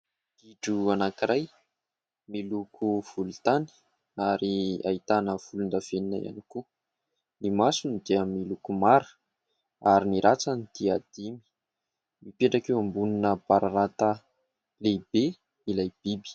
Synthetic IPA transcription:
iɖ͡ʐuanakiɾʔaj | milukʰuv̥ulut̪ani̥ | aɾia̰it̪anəv̥ulund̪av̥eninaja̰niku | nimasunid̪iəmilukumaɾu̥ | aɾiniɾʔat͡sanid̪̥iad̪̥imi̥ | mipeɳʈ͡ʂakewambuninəb̥aɾaɾat̪a | lebe | ilajb̥ibi̥

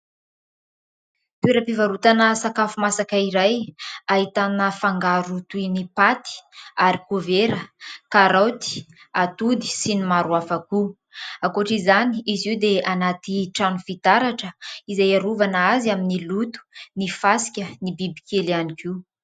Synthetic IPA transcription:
t̪ueɾəpivaɾut̪anəsakafumasakəiɾajaɦit̪anəfaŋɡaɾut̪uinipat̪i̥aɾikoveɾəkaɾawt̪i̥ | at̪ud̪i̥sinimaɾuafaku | akuaʈ͡ʂizaniiziwd̪eanat̪iʈ͡ʂanufit̪aɾaʈ͡ʂəizajaɾuvanaazaminilut̪u̥nifasi̥kʲənibibi̥kelianikiu

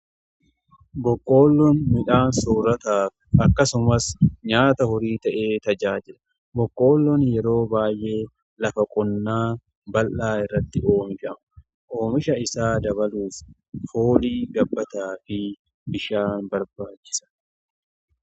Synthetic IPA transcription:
bɔkʼːo̞ːlːɔnmɪᶑaːnsoːɾɐt̪aːf | ɐkːɐsʊmɐsɲaːt̪ɐhɔɾiːt̪ɐʔe̞ːt̪ɐd͡ʒaːd͡ʒɪᶑɐ̥ | bɔkʼːo̞ːlːɔnjɛɾo̞ːbaːjʔe̞ː | lɐfɐkʼɔnːaː | bɐlʔaːɪrːɐt̪ːɪo̞ːmɪfɐmɐ | ʔo̞ːmɪʃɐɪsaːd̪ɐβɐluːf | hoːliːɡɐbːɐt̪aːfɪ | bɪʃaːnbɐɾbaːt͡ʃːɪ̥sɐ̥

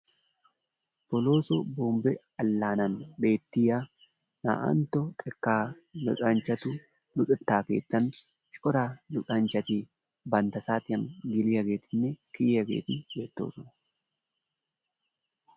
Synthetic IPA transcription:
b̥ɔloːsɔboːmbɛ | ɐlːaːnɐnbeːt̪ːɪja | na̰ːʔɐ̰nt̪ɔt̪ʼɛkːaː | lʊ̰ᶑʼɐnt͡ʃɐt̪ʊ | lʊᶑɪt̪ːaːkḛːt̪ːɐn | t͡ʃʼɔɾaːlʊᶑʼɐnt͡ʃɐt̪iː | bɐnt̪ɐsaːt̪ɪɐŋɡɪlɪjɐɡeːt̪ɪnːɛkiːɐɡḛːt̪ibeːt̪ːo̰ːsʊn

